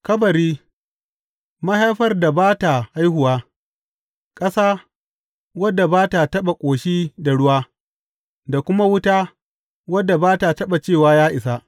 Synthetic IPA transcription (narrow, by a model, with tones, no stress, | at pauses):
kɐ˦bɐ˨ɾiː˦ | mɐ˦ɦa˦jɸɐ˦rda˨baː˦ta˨ʔa˦jɦʊ˨waː˦ | kʼɐ˦saː˦ | wɐ˦dːa˨baː˦ta˨tɐ˦ɓa˨kʷʼoː˨ʃiː˦da˨ɽʊ˦waː˦ | da˨kʷʊ˦ma˦wʊ˦taː˦ | wɐ˦dːa˨baː˦ta˨tɐ˦ɓa˨t͡ʃeː˦˨waː˦jaː˦ʔɪ˨sa˦